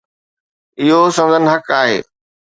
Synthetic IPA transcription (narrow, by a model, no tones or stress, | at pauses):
ɪɦosɐ̃mzənɪ̆ɦɐkaːɦḛː